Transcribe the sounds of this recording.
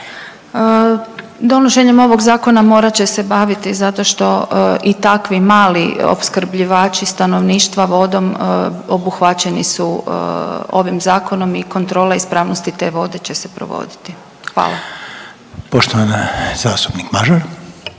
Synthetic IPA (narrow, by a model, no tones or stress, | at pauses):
d̪o̞noʃe̞ɲemo̞ʋo̞ɡzaːko̞namo̞ːɾat͡ɕe̞se̞baːʋit̪izat̪o̞ʃt̪o̞ʔit̪akʋimaːlḭo̰pskɾ̩bʎiʋaːt͡ʃist̪ano̞ʋniːʃt̪ʋaʋo̞d̪o̞mobuxʋat͡ɕe̞nisu | o̞̰ʋimzaːko̞no̞miko̞nt̪ɾo̞ːleispɾaːʋnost̪it̪e̞ːʋo̞d̪e̞t͡ɕe̞se̥pɾo̰ʋo̞̰d̪it̪i | xʋa̰ːlˠa | poʃt̪oʋanzaːst̪u̥pnikmaʒaɾ